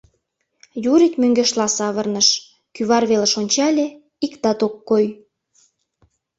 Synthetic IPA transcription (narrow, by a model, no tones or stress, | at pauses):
juɾit̪møŋɡeʃlɑsɑβərnəʃ | kyβɑrβeləʃonʲt͡ɕɑlʲe | ikt̪ɑt̪okːoj